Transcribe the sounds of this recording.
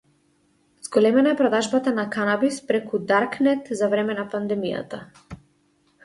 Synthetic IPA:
z̥ɡɔlɛmɛnaɛpɾɔd̪aʒbat̪anakanabispɾɛkud̪aɾknɛt̪zavɾɛmɛnapand̪ɛmija̰t̪a

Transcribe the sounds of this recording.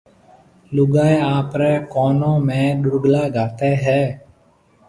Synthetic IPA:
lʊɡaːeaːpɾeːkoːnõːmẽːɗʊɾɡlaːɡaːt̪eːɦɛː

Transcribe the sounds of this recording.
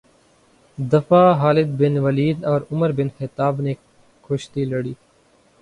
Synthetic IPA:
d̪ɐfaːɦaːlɪd̪̚bɪnʋɐliːd̪ɔːɾʊməɾbɪnxɪt̪aːbne | kʰoʃt̪ilɐɽiː

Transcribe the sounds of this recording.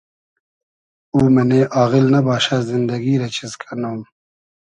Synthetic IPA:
uːmɐneːʔaːɣilnɐbaːɕazind̪ɐɡiːɾet͡ɕʰizkʰɐnoːm

